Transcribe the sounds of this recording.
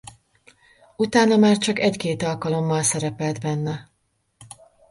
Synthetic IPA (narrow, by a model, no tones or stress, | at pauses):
ut̪aːnɒmaːrt͡ʃɒkɛckeːt̪ɒlkɒlo̞mːɒlsɛɾɛpɛlt̪bɛnːɛ